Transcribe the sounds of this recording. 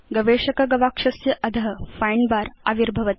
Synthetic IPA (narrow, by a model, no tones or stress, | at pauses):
ɡɐʋeːʂɐkɐɡɐʋaːkʂɐsjɐʔɐd̪ʱɐɦɐfajɳbaːɾa̰ʋiɾbʱɐʋɐt̪